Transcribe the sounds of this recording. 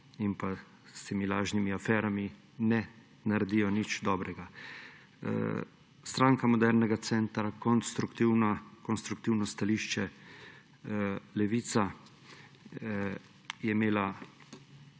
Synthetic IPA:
impa | st̪eːmilaːʒnimiafɛːɾami | nɛ | naɾɛd̪iːjɔnit͡ʃd̪ɔːbɾɛɡa | st̪ɾaːŋkamɔd̪ɛɾnɛɡat̪sɛnt̪ɾakɔnst̪ɾukt̪iwnakɔnst̪ɾukt̪iwnɔst̪aliʃt͡ʃɛ | lɛʋiːt̪sa | jɛimeːla

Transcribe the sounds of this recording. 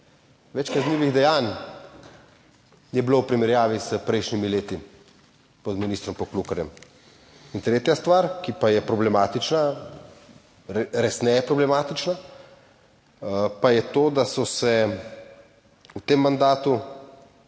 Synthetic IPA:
ʋɛt͡ʃkaznliːʋiɣd̪ɛjaːn | jɛblowpɾimɛɾjaːʋisəpɾɛjʃnimileːt̪i | pɔd̪miniːst̪ɾɔmpɔklukɐɾjɛm | int̪ɾeːt̪jast̪ʋaːɾkipajɛpɾɔblɛmaːt̪it͡ʃna | ɾɛsnɛjɛpɾɔblɛmaːt̪it͡ʃna | pajɛt̪oːd̪asɔsɛ | ut̪eːmːand̪aːt̪u

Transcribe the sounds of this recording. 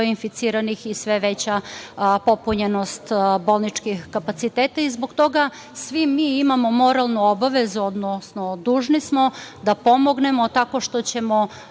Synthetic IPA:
infit̪siɾanixisʋe̞ʋet͡ɕapo̞puɲeno̞st̪bo̞lˠnit͡ʃkixkapat̪sit̪eːt̪aizboɡt̪o̞ɡa | sʋimːiːimamo̞mo̞ɾalˠnuobaʋe̞zuod̪nosno̞d̪uːʒnismo̞d̪apo̞mo̞ɡne̞mo̞t̪ako̞ʃt̪o̞t͡ɕe̞mo̞

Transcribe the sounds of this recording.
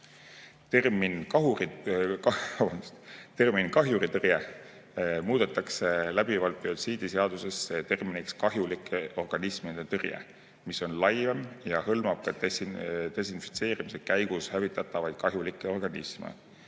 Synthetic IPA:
t̪erminkɑɦuriɑvnst̪erminkɑɦjuɾit̪ɤrje | muːd̪̥et̪ːˑɑkselæb̥ivɑlpːˑiot̪siːd̪̥iseɑd̪̥use̞sːet̪e̞rminikskɑɦjulikʰːˑeo̞rɡ̥ɑnismid̪et̪ɤrjḛ | miso̞nlɑjvemjɑhɤlmɑb̥̚kɑt̪t̪e̞sinfi̥t̪se̞ːɾimisekæjɡ̥ushævit̪ːˑɑt̪ːˑɑvɑjd̪̥kɑɦjulikːˑeo̞rɡ̥ɑnḭsmḛ

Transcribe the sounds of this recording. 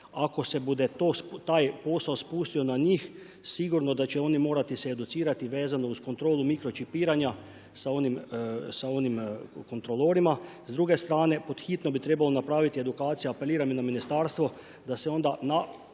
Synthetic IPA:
akosɛbud̪ɛt̪ost̪aːjpoːsaospuːst̪iɔnaɲiːx | siɡuɾnɔd̪at͡ʃɛoːnimoːɾat̪isɛːd̪ut̪siːɾat̪iʋeːzanɔuskont̪ɾoːlumikɾɔt͡ʃipiːɾanja | saonimsaonimkont̪ɾoloːɾimazd̪ɾuːɡɛst̪ɾaːnɛpod̪xit̪nɔbit̪ɾeːbalonapɾaːʋit̪iɛd̪ukaːt̪sijaapɛliːɾaminaminist̪aːɾst̪ʋɔ | d̪asɛond̪ana

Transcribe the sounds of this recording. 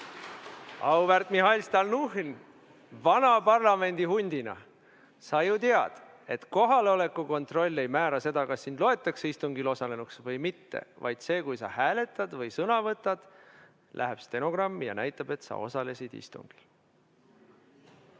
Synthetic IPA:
ɑwbert̪mihɑjlst̪ɑlnuɦn | vɑnɑpɑrlɑme̞nʲd̪̥iɦunʲd̪̥inɑ̰ | sɑjut̪eɑd̪̥ | e̞t̪ko̞ɦɑleo̞le̞kːˑuko̞nt̪ro̞lʲːe̞jmæːɾɑse̞d̪̥ɑkɑsːind̪lo̞e̞t̪ːˑɑkseist̪uŋɡilo̞sɑle̞nuksvɤjmit̪ːḛvɑ̰jd̪̥se̞ːkujsɑ̰hæːle̞t̪ːˑɑd̪vɤjsɤnɑvɤt̪ːˑɑd̪̥ | lʔæ̰ɦepst̪eno̞ɡ̥rɑmːijɑ̰næjt̪ːˑɑb̥e̞t̪sɑ̰o̞̰sɑle̞sid̪̥ḭst̪ṵŋɡ̥il

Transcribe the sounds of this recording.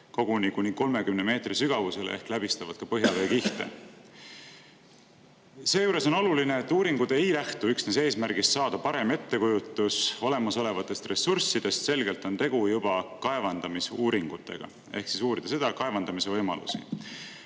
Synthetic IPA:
ko̞ɡ̥unikunʲiko̞lme̞kymneme̞ːt̪risyɡ̥ɑvuse̞lḛe̞̰hklæb̥ist̪ɑvɑd̪̥kɑpɤɦjɑve̞ːkiht̪ḛ | se̞ːjuːɾe̞so̞no̞lulineet̪ːuːɾiŋɡ̥ud̪e̞jlæht̪uyksnese̞ːsmærɡ̥ist̪sɑːd̪ɑpɑɾe̞me̞t̪ːe̞kujut̪ːˑuso̞le̞mɑso̞le̞vɑt̪ːˑe̞st̪re̞sːursːid̪̥e̞st̪se̞lɡe̞lt̪ːˑo̞nt̪e̞ɡ̥ujub̥ɑkɑe̞vɑnd̪̥ɑmisuːɾiŋɡ̥ut̪ːˑe̞̰ɡ̥ɑ̰ | e̞hksisuːɾid̪̥ɑse̞d̪ɑkɑe̞vɑnd̪̥ɑmise̞vɤjmɑ̰lṵsḭ

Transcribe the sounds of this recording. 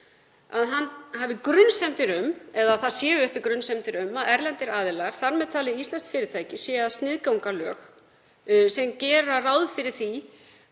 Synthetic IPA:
aðɦanhavɪkɾʏnsɛmt̪ɪɾʏmɛðaðθaðsjɛːvʏhpɪkɾʏnsɛmt̪ɪɾʏmːaðɛɾlɛnt̪ɪɾaːðɪlaɾ̥θaɾmɛðt̪ʰaːlɪðist̪lanst̪fɪːɾɪt̪ʰaːjcɪsjɛːaðst̪nɪðkawŋkalœːx | sɛmcɛːɾaraːwðfɪɾɪɾ̥θi

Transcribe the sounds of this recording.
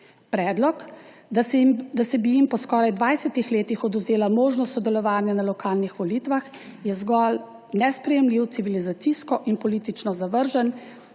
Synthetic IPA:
pɾɛːd̪lɔk̪ | d̪asɛbijimpɔskɔːɾajd̪ʋajsɛt̪ixleːt̪ixɔd̪uwzeːlamoːʒnɔst̪sɔd̪ɛlɔʋaːnjanalɔkaːlnixʋɔlit̪ʋax | jɛzɡɔl | nɛspɾɛjɛmliwt̪siʋilizat̪siskɔʔinpɔliːt̪it͡ʃnɔzaʋəɾʒən

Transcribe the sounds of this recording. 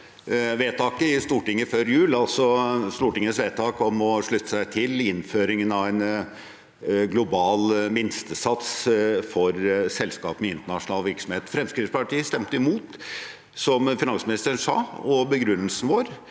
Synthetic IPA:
ʋeːt̪ʰɑːkəɪst̪uːʈɪŋːəføːɾjʉːləɑlsɔst̪uːʈɪŋːəsʋeːt̪ʰɑːkɔmɔʂɭʉt̪ːə̥sæɪt̪ʰɪlɪnføːɾɪŋənɑʋæɪn | ɡlʊbɑːlmɪnst̪əsɑt̪sfɔɾsɛlskɑ̰ːpmɛɪnt̪əɳɑʂʊnɑːlʋɪɾksɔmheːt̪fɾɛmskɾɪt̪spɑʈiːst̪ɛmt̪əɪmuːt̪ | sɔmfɪnɑnsmɪnɪst̪əɳsɑ̰ːɔbəɡɾʉnːəlsnəʋoːɾ

